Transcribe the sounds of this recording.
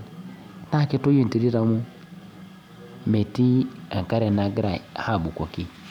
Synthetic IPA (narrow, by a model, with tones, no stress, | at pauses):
na˦˨ke˦to˦ji˦n˨ti˨ɾi˦ɾa˨mu˦ | me˨ti˦a˨ŋ˨ka˦ɾɛ˨na˨ɡɾa˨ha˦˨bu˨kɔ˨ki˦